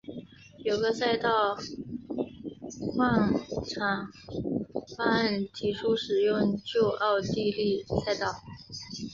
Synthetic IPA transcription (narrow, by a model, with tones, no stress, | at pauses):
jo˨˩ʊɡə˧sa˥˧ɪt̪ɑ˥˧ʊ | xwɑ˥˩˧ŋʈ͡ʂʰɑ˨˩ŋ | fa˥ə˥˩nt̪ʰi˧˥ʂʰu˥ʂɻ̩˨˩jʊ˥˧ŋt͡ɕjo˥˧ʊʔɑ˥˧ʊt̪i˥˧li˥˧sa˥˧ɪt̪ɑ˥˩ʊ